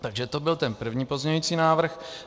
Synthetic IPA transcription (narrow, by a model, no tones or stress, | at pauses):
t̪aɡʒɛt̪o̞bɪlt̪ɛnpr̩vɲiːpo̞zɲɛɲuiːt͡siːnaːvr̩x